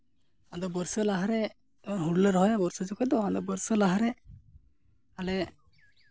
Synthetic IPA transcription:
ad̪ɔbəɾsɔlaɦaɾɛ | ɔɾɦuɽlɛɾɔɦɔjabɔɾsɔd͡ʒɔkɔd̪ɔad̪ɔbəɾsɔlaɦaɾɛ | alɛ

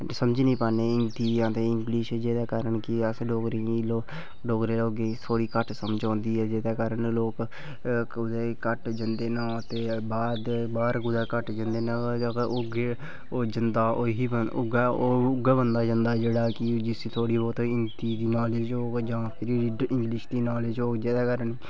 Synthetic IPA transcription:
səməd͡ʒnĩːpaːneːɪnt̪iːãːt̪eːɪŋɡliʃd͡ʒeːd̪aːkaːɾəɳkɪəsɖoːɡɾeilo | ɖoːɡɾeːloːɡet̪ʰoːɽiːkəʈsəmd͡ʒãːnd̪iːɦɛːd͡ʒeːd̪aːkaːɾəɳloːk | ʊd̪eːkəʈd͡ʒənd̪eːnãːt̪eːbaːd̪baːɾɡʊd̪aːkəʈd͡ʒənd̪eːnaːd͡ʒkʊɡe | oːd͡ʒənd̪aːʔoːɦiːbəʊ̰ɡaoːʊɡaːbənd̪aːd͡ʒə̃nd̪aːd͡ʒeːɽaːkɪd͡ʒɪsit̪ʰoːɽiːbɔːt̪oɪnt̪iːd̪iːnaːleːd͡ʒoːkd͡ʒãːpʰɪɾɪ̃ŋɡlɪʃd̪iːnaːleːd͡ʒoːkd͡ʒeːd̪aːkaːɾəɳ

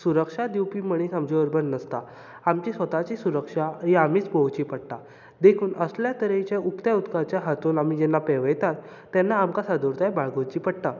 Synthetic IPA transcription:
suɾəkʂad̪iwpiːməɽ̃iːsamd͡ʑoəɾbənnəst̪a | amt͡ɕisʋət̪at͡ɕisuɾəkʂaɦiamiːt͡sbowt͡ɕiːpəɽʈ̪a | d̪ekʰuːnəsljat̪əɾet͡ɕaʔukt̪aut̪kat͡ɕjaɦat̪uːnamid͡ʑɛnːapeʋəjt̪at̪ː | ɛnːaːmkasad̪uɾt̪ajbaɭɡot͡ɕiːpəɽʈ̪a

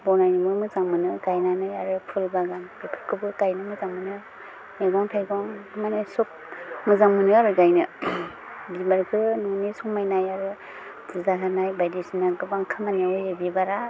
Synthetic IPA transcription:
bɔnajnɯmɯmɯzaŋmɯnɯɡajnanɯjaɾɯpʰɯɾibaɡambipʰɯkʰɯbɯkajnɯmɯzaŋmɯnɯ | jaɡaŋtʰajɡaŋʰmanajsuk̚mɯzaŋmɯnɯaɾɯɡajnɯ | bibaɾkʰɯnɔnisuŋmajnajaɾɯ | dɯzaɦanajbajdisinaɡɯbaŋkʰamanajɯjabibaɾa

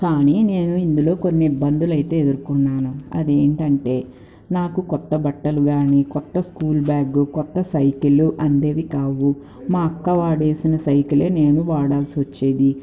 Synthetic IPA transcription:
kaːnine̞ːnuind̪ulo̞ːko̞nːiːbːɐnd̪ulɐjt̪e̞ːed̪uɾkunːaːnuɐ̰d̪eːɳʈɐɳʈe̞ː | naːkukɔt̪ːɐbɐʈːɐluɡaːnikɔt̪ːɐskuːlbjaːɡukɔt̪ːɐsɐjkiluʔɐnd̪eːd̪ikaːʋu | maːɐkːɐʋaːɽe̞ːsinɐsɐjkile̞ːne̞ːnuʋaːɽaːlsiʋɐt͡ʃːeːd̪i

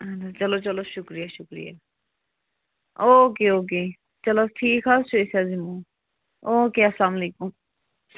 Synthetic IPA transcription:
ɐnt͡ʃɐlot͡ʃɐloʃʊkɾijaʃʊkɾḭja̰ | oːkeoːk̬e | t͡ʃɐloʈʰiːkʰɦasoesazimu | oːkeɐslaːmɐleːkum

